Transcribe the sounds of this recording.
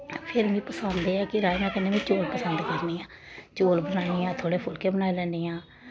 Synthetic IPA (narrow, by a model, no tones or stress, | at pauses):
pʰɪɾmĩːpəsənd̪eːɛːkɪɾaːemɛ̃ːkəneːʋĩːt͡ʃoːlpəsənd̪kəɾniːãː | t͡ʃoːlbənaːiniːãːt̪ʰoːɽeːpʰʊlkeːbənaːeːlɛ̃ːnd̪iːãː